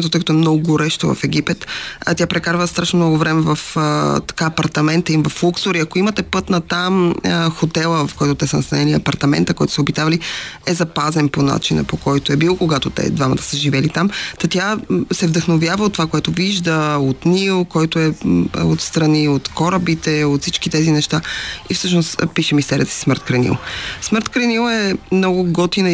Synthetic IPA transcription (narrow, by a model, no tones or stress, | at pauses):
t̪ot̪əjkət̪oɔɛmnɔɡʊɡoɾɛʃt̪ovɐ̰fɛɡipɛt̪t̪japɾɛkaɾvəst̪ɾaʃnomnɔɡʊvɾɛmɛvɐft̪ɐ̥kaːpɐɾt̪ɐmɛnt̪əimvɐflˠuksoɾiɐkoimət̪ɛpɤt̪nɐt̪amxot̪ɛlˠəvɐfkɔjt̪ot̪ɛsənɐst̪ɐnɛliɐpɐɾt̪ɐmɛ̰nt̪əkɔjt̪o̥sɛobit̪avɐliɛzɐpazɛnpona̰t͡ʃinə̰pokɔjt̪oɛbilˠokoɡat̪ot̪ɛ̰d̪vamɐt̪ə̥səʒivɛlit̪amt̪ɐt̪ʲjasɛvd̪əxnovjavəot̪ːovakoɛt̪oviʒd̪əot̪nilˠkɔjt̪oɛot̪st̪ɾɐniot̪kɔɾəbit̪ɛot̪fsit͡ʃkit̪ɛzinɛʃt̪aifsɤʃnospiʃɛmist̪ɛɾʲiət̪ə̥si̥sməɾt̪kɾɛnḭlˠsməɾt̪kɾɛnilˠɛmnɔɡʊɡɔt̪in